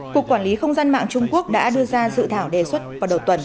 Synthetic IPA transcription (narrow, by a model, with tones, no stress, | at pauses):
ku˨˩əkːwaː˧˩nli˨˦xə˧wŋ͡mzaː˧nma̰ː˧˨ŋt͡ɕʊ˧ŋ͡mku˦˥ək̚ɗa̰ː˧˥ɗɨ˧əzaː˧zɨ̰˧˨t̪ʰaː˧˩wɗe˨˩swə˦˥t̚vaː˨˩wɗə˨˩wt̪wə˨˩n